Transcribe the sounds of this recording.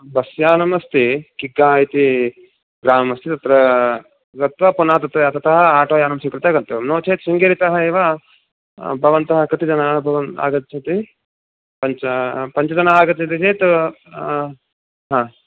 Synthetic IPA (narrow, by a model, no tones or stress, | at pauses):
bɐsjaːnɐmɐst̪ikiɡːaːit̪i | ɡɾaːmɐmɐst̪it̪ɐt̪ɾɐ | ɡɐt̪ʋɐpunɐːɐt̪ɐt̪ɾɐɐt̪ʰɐt̪ɐɦɐaːʈoːjaːnɐmsukɾit̪ɐɡɐnt̪umnoːt͡ʃeːt̪siŋɡeɾit̪ɐɦɐeːʋa | bʱɐʋɐnt̪ɐɦɐkɾɐt̪id͡ʒɐnaːɦɐbʱɐʋɐna̰ːɡɐt̪t͡ʃʰɐt̪i | pɐɲt͡ʃɐpɐɲt͡ʃɐd͡ʒɐnaaːɡɐt̪t͡ʃʰɐt̪̬it͡ʃeːt̪ | ɦãː